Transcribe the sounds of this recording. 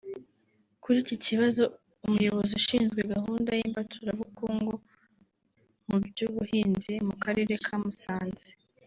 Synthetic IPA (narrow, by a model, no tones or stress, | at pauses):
kuɾiciciβazo̞ | umujo̞βo̞ziuʃiːnzɡwe̞ɡahuːndajimbatʰuɾaβukoːŋɡo | mubɟuβuhiːnzimukaɾe̞ːɾe̞kʰamusaːnze̥